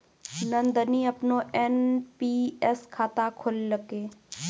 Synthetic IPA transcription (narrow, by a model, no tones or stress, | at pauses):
nənd̪əniɐpnoʔɛnpiɛskʰaːt̪akʰʊlːəkeː